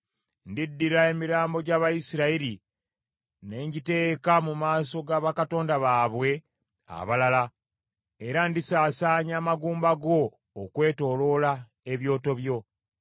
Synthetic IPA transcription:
ndidːiɾae̞miɾaːmbo̞ɟaːβajisiɾaiɾi | ne̞ːɲɟite̞ːkamumaːso̞ɡaːβakato̞ːndaβaːβwe̞ | a̰βalala | eɾandisaːsaːɲaːmaɡuːmbaɡo̞ː | kwe̞ːto̞ːlo̞la | e̞βjo̞ːto̞βjo̞

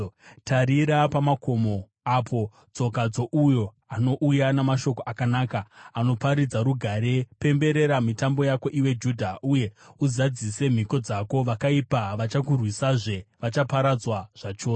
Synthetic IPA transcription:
tʰaɾiɾapamako̞mo̞ | apʰo̞ | t͡so̞kad͡zo̞ʔujo̞ | ano̞ʔujanamaʃo̞ko̞ʔakanaːkaano̞paɾid͡zaɾuɡʱaɾe̞pe̞mbe̞ɾe̞ɾamitambo̞jako̞ʔiwe̞d͡ʒudʱauje̞uzad͡zise̞m̤iko̞d͡zako̞ʋakaipaʋat͡ʃak̬urwisaʐe̞ʋat͡ʃapaɾad͡zwaʐ̥at͡ʃoː

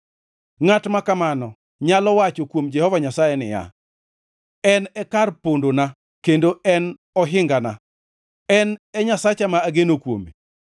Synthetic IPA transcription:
ŋatmakamanɔ | ɲalɔwat͡ʃokwomd͡ʒɛhɔvaɲasajɛnɪ̰ja̰ | ɛnɛkarpondona | kendoɛn | ɔɦɪŋɡana | ɛnɛɲasat͡ʃamaːɡenokwo̰mḭ

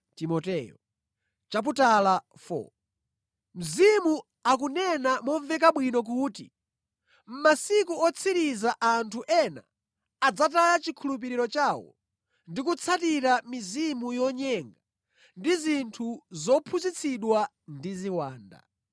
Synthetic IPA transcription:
timɔtɛjɔ | t͡ʃap̬utalafɔ̰ | m̩zimu | akunɛnamɔɱvɛkaɓwinɔk̬uːtḭ | m̩masikuɔt͡sʰiɾizaʔantʰuʔɛna̰ː | d͡zatajat͡ʃikʰulup̬iɾiɾɔt͡ʃawɔ̰ | ndikut͡sʰatiɾamizimujɔɲɛŋɡa | ndizintʰuzɔpʰuzit͡sʰiɗwa | ndiziwaːnda̰

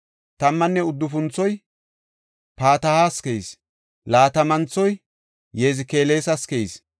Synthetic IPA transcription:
t̪ɐmːɐnːɛʊd̪ːʊfʊnt͡sːɔj | paːt̪ɐhaskejs | laːt̪ɐmɐnt͡sːɔj | jeːzɪke̞ːle̞ːsɐskejs

